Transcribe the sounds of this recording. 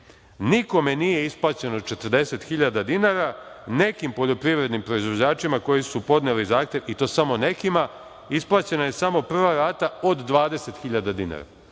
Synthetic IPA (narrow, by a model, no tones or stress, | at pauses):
niko̞me̞nije̞isplˠaːt͡ɕe̞nod̪̚t͡ʃet̪ərd̪e̞se̞t̪xiʎad̪ad̪inaːɾa | ne̞kimpo̞ʎo̞pɾiʋɾe̞d̪nimpɾo̞izʋo̞d͡ʑaːt͡ʃimako̞jisupo̞d̪nelizaːxt̪je̞ʋit̪o̞ːsamo̞ne̞kima | isplˠaːt͡ɕe̞naje̞samo̞pr̩ʋaɾaːt̪aod̪ːʋaːd̪e̞se̞t̪xiʎad̪ad̪ina̰ɾa̰